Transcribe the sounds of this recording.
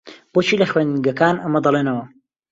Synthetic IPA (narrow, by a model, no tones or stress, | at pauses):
b̥oːt͡ʃʰiːlɐχwenɡɐkaːnɐmɐd̪ɐlˠeːnɐwɐ